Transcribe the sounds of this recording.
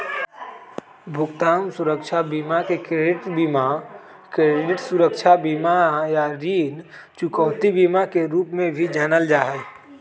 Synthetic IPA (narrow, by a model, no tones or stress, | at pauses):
bʱʊkt̪aːmsʊɾəkʃʰabiːmakekɾeɖɪʈbiːma | kɾeɖɪʈsʊɾəkʃʰabiːmajaɾiːnt͡ʃʊkɔːt̪ibiːmakeɾuːpmẽbʱid͡ʒaːnəld͡ʒaːɦɛ